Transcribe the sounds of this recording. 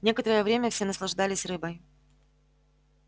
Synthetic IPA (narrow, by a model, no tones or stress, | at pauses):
nʲe̞kət̪əɾəjəvɾʲemʲəfsʲenəslˠɐʐd̪alʲɪsʲrɨbəj